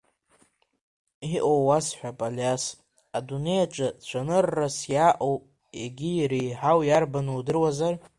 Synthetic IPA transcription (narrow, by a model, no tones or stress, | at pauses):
iʔowwasħʷᶣapʼaljas | adune̞jat͡ʃʼat͡ɕʷʰanɨrːasjaʔowpʼ | eɡʲijɾejħawjarbanɨwdɨrwazar